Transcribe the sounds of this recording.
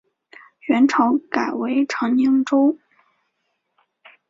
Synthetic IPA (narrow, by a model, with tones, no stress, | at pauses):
ɥɛ˧˥nʈ͡ʂʰɤ˧˥ʊka˨˩ɪwe˧˥ɪʈ͡ʂʰɤ˧˥ŋni˧˥ŋʈ͡ʂo˥ʊ